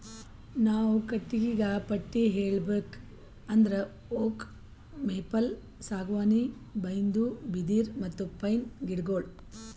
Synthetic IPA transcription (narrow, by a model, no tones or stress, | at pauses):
naːʋukɐʈːiɡiɡaːpɐʈːiɦeːɭbeːk | ɐnd̪ɐɾe | oːk | meːpɐl | saːɡʋaːni | bɐjnd̪ubid̪iːɾmɐt̪ːupɐjnɡiɽɡoːɭɖ